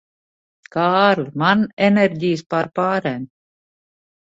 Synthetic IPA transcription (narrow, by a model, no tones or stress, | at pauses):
kɑːɾlmɑnɛneɾɡʲiːspɑɾpɑːɾɛn